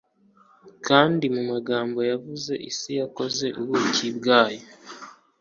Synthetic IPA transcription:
kaːndimumaɡaːmbo̞javuze̞ʔisijako̞ze̞ʔuβucibɡaːjo

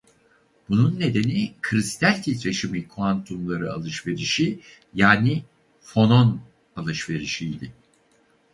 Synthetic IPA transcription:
b̥ununːe̞d̪e̞nikʰɾist̪ʰælʲt̪ʰit̪ɾe̞ʃimikʰoant̪ʰumlˠaɾɯa̰lˠɯʃve̞ɾiʃi | jaːni | fo̞no̞n | alˠɯʃve̞ɾiʃijd̪ɪ

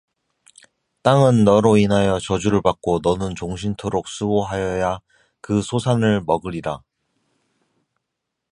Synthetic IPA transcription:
t͈aŋɯnːʌɾoinɦajʌt͡ɕʌd͡ʑuɾɯɭpak̚k͈onʌnɯnt͡ɕoŋɕʰintʰoɾok̚s͈uoɦajʌja | kɯsʰosʰanɯɭmʌɡɯɾiɾa

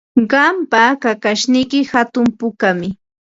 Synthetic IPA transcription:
ɢɑmpakakaʃnɪjkɪhat̪ʊmpʊkamɪ

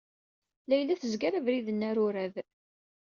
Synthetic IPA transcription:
læjlːæθəzɡaɾævɾiðənːæɾʊɾæð

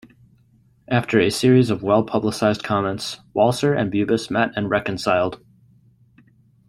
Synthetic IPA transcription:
ʔæftʰə˞ɨsɪɹizʌvwɛlˠpʰʌbləsaɪzdkʰɑmɛ̃ntswɔlˠsə˞ʔɨ̰̃nbjʉbɨsmɛɾɨ̃nɹɛkɨ̃n̩saɪlˠd̥

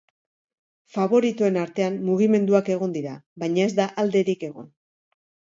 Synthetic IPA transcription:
faβo̞ɾit̪oe̞naɾt̪e̞ammuɣ̞ime̞nd̪uake̞ɣ̞o̞nd̪iɾaβajɲae̞zd̪aʔald̪e̞ɾike̞ɣo̞̰n

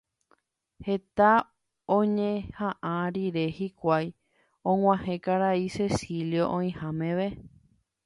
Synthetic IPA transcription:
he̞t̪a | õɲẽhãʔãɾiɾe̞hikʷaj | õŋʷãhẽ̞kaɾaise̞siljoʔõĩhãmẽ̞ʋe̞

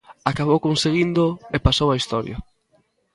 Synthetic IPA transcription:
akaβ̞owkõnseɣind̪oepasowaist̪ɔɾj̰ɐ

